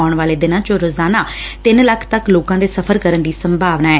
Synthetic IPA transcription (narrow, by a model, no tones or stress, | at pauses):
ʊɳʋaːleːd̪ɪnãːt͡ʃõːɾoːzaːnaːt̪ɪnləkʰt̪əkloːkãːd̪eːsəpʰəɾkəɾəɳd̪iːsəmbʱaːʋnaːɛː